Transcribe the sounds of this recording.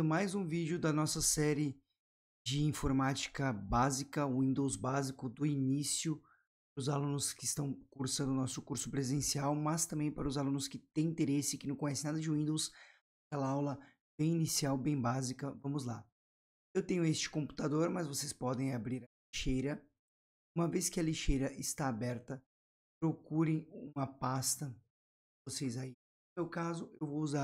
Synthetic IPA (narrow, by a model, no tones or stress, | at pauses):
ʊmajzũvid͡ʒʊd̪ɐnɔsɐsɛɾɪ | d͡ʒɪĩfoɾmat͡ʃi̥kɐbazikɐʊĩnd̪owzbazikʊd̪ʊinisijʊ | paɾʊzalũnʊskɪɪst̪ɐ̃w̃kuɾsɐ̃nd̪ʊnɔsʊkuɾsʊ̥pɾezẽsiawmɐst̪ɐ̃mbẽj̃paɾɐʊzalũnʊskɪt̪ẽj̃ĩnt̪eɾesɪkɪnɐ̃w̃kõj̃ɛsɪ̃nad̪ɐd͡ʒɪʊĩnd̪ows | akɛlɐawlɐ | bẽj̃inisiawbẽj̃bazikɐvɐ̃mʊzla̰ | ewt̪ẽɲʊest͡ʃɪ̥kõmpu̥t̪ad̪oɾmɐzvosespɔd̪ẽj̃abɾiɾɐliʃejɾɐ | ũmɐveskɪɐliʃejɾɐʔɪst̪aːbɛɾt̪ɐ | pɾokuɾẽj̃ũmɐpast̪ɐ | vosejzai | ʊmewkazʊewvowuza